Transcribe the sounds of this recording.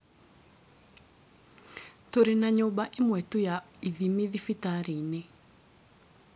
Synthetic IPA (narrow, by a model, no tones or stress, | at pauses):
toɾenaɲobaʔɪmwɛtujaiðimiðifitaɾine